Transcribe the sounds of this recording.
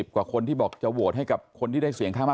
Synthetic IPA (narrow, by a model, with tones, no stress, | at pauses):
p̚kwaː˨˩kʰo˧nt̪iː˥˩bɔː˨˩k̚t͡ɕa˨˩wu˨˩t̪̚ɦa˥˩jka˨˩p̚kʰo˧nt̪ʰiː˥˩da˥˩si˩˦ŋkʰaː˥˩ma˥˩